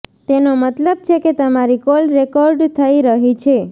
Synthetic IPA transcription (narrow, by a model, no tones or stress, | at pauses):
t̪enomət̪ləb̚t͡ʃʰeket̪əmaɾikɔɾɖɾekɔɾɖt̪ʰəiɾəɦit͡ʃʰe